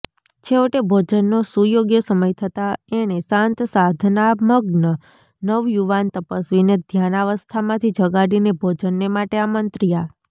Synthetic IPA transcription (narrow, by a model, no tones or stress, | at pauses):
t͡ʃʰeʋəʈebʱod͡ʒənːosujoɡjəsəməjt̪ʰət̪aeɽ̃esãnt̪sad̪ʱnaməɡnə | nəʋjuʋant̪əpəsʋined̪ʱjanaʋəst̪ʰamãt̪ʰid͡ʒəɡaɽinebʱod͡ʒənːemaʈeamənt̪ɾija